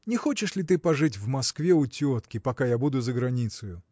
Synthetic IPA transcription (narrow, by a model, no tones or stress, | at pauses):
nʲɛxot͡ɕɪʂlʲit̪̬ɨpɐʐɨtʲvmaskvʲeutʲot̪kʲipakajabud̪ʊzəɡɾanʲit̪sɨjʊ